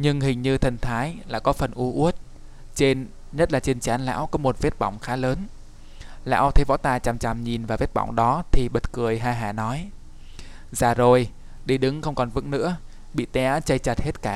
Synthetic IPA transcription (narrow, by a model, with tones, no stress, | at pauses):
ɲɨ˧ŋhï˨˩ŋ̟ɲɨ˧t̪ʰə˨˩nt̪ʰaː˨˦jla̰ː˧˨˩kɔ˨˦fə˨˩nʔu˧ʔu˦˥ət̚ | t͡ɕe˧n | ɲə˦˥t̚laː˨˩t͡ɕe˧nt͡ɕaː˨˦nla̰ː˧˥wkɔ˨˦mo˨˩t̚vi˦˥t̚ɓɔ˧˩wŋ͡mxaː˨˦ləː˨˦n | la̰ː˧˥wt̪ʰe˧˨˦vɔ̰˧˥t̪aː˧˩t͡ɕa˨˩mt͡ɕa˨˩mɲi˨˩nvaː˨˩vt̚ɓa̰˧˩wŋ͡mɗɔ˨˦t̪ʰi˨˩ɓə˨˩t̚kɨ˨˩əjɦaː˧˩ɦaː˧˩nɔ˨˦j | zaː˨˩zo˨˩j | ɗi˧˩ɗɨ˨˦ŋxə˧wŋ͡mkɔ˨˩nvɨ̰˧˥ŋnɨ̰˧˥ə | ɓḭ˧˨t̪ɛ˨˧ʔaː˨˦˥t͡ɕə˧jt͡ɕa˨˩t̚he˦˥t̚kaː˧˩